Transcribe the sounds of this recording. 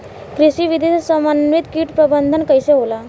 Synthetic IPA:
kɾiɕiːʋid̪ʱessəmanʋit̪kiːʈpɾəbənd̪ʱənkəjseɦola

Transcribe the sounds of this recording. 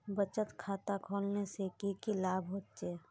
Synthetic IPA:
bət͡ʃət̪kʰaːt̪akʰoːlnesekikilaːbʱɦoːt̪̚t͡ʃeː

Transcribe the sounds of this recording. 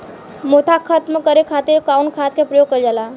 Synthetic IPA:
mot̪ʰakʰət̪məkəɾekʰat̪eɾkaunkʰat̪kʰepɾəjoɡ̚kəld͡ʒala

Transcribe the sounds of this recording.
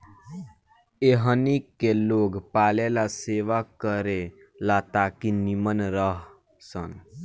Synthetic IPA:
eɦənikːeloːɡpaːlelaseʋakəɾe | lat̪akinimənɾəɦ | sən

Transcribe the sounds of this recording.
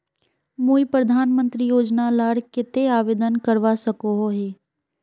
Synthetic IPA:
moːipɾəd̪ʱaːnmə̃nt̪ɾijoːd͡ʒnalaːɽkɪt̪eaːʋeːd̪ənkəɾʋaːsəkoɦoɦeː

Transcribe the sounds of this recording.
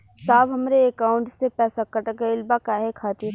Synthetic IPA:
saːbɦɐmɾeːkaːʊ̃ɳʈsepɛːsakɐʈəkeɪlbakaːɦekʰaːt̪iɾ

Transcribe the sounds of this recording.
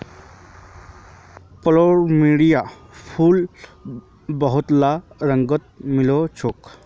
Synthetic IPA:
pəloɾmiɽija | pʰuːl | bəɦʊt̪laɾəŋɡət̪̚milot͡ʃʰoːk

